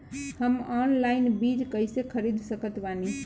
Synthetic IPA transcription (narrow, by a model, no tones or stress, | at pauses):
həmɔnlainbid͡ʒkəjsekʰəɾid̪ʱsəkət̪bani